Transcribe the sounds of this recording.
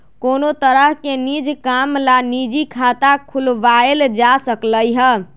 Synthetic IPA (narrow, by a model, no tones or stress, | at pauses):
konot̪əɾəɦkenid͡ʒkamlanid͡ʒikʰat̪akʰulʋaeld͡ʒasəkləjɦə